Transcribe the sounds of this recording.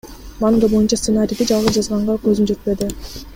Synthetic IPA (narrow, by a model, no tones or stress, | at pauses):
manɡ̪ɑbo̞junt͡ʃɑst̪sɨnaɾʲijd̪id͡ʒɑlˠʁɯzd͡ʒɑzʁɑɴɢɑkø̞zymd͡ʒe̞t̪̚pe̞d̪ɪ